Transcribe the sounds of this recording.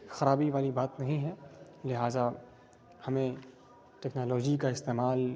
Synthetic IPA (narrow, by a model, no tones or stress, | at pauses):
xɐɾaːbiʋaːlibaːt̪nɐɦĩɦɛ | lɪɦaːza | hɐmẽ | ʈɛːknaːlɔːd͡ʒikaɪst̪eːmaːl